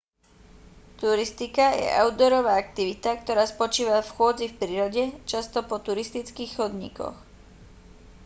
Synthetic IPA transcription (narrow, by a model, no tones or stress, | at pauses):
t̪uɾist̪ikajɛ̰ʔa̰ʊd̪ɔɾɔʋaːak̚t̪iʋit̪akt̪ɔɾaːspɔt͡ʃiːʋafxʊɔd͡zifpɾiːɾɔɟɛt͡ʃast̪ɔpɔt̪uɾist̪it͡skiːxxɔd̪ɲḭkɔ̰x